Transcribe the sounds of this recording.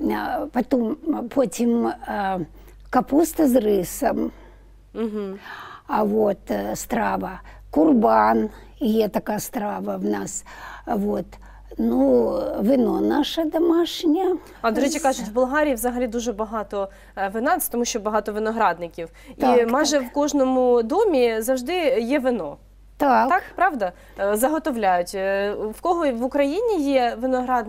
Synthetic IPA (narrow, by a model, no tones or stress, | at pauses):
pɐt̪ompʰotʲim | kɐpust̪ɐzrɪsɐm | m̩ɦ̩ɐʋot̪st̪ɾaʋɐ | kʊrban | jet̪ɐkajɐst̪ɾaʋɐʋnasʋot̪ | nuʋɪnonaʂɐd̪ɐmaʃnʲɐ | ɐd̪ɔɾɛt͡ʃʲikɑʒʊtʲwbʊlˠɦɑɾʲijːʋzɐɦɐlʲid̪uʒɛbɐɦɑt̪ɔ | ʋɪnɑsʲt̪ɔmuʃʲt͡ʃɔbɐɦɑt̪ɔʋɪnɔɦɾɑd̪nɪkʲiw | imɑjʒɛwkɔʒnɔmʊd̪ɔmʲizɐwʒd̪ɪjɛʋɪnɔ | t̪at̪kpɾɑʋd̪ɐ | zɐɦɔt̪ɔʋlʲajʊtʲwkɔɦɔʋʊkɾɐjinʲijɛʋɪnɔɦɾɑd̪n